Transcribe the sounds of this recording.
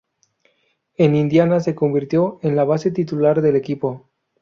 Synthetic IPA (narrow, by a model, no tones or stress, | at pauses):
e̞nind̪janase̞ko̞mbiɾt̪jo̞e̞nlaβ̞ase̞t̪it̪ulaɾðe̞le̞kipo̞